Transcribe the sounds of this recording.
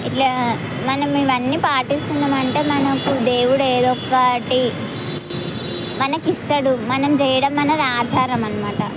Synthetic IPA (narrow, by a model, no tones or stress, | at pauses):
iʈla | mɐnɐmiʋɐnːiːpaːʈist̪und̪ɐmɐɳʈe̞ːmɐnɐkud̪eːwuɽeːd̪ɔkːɐʈi | mɐnɐkist̪ɐɽumɐnɐmt͡ʃɛjɐɽɐmːɐnɐd̪iaːd͡ʒʱaːɾɐmɐnɐmaːʈɐ̰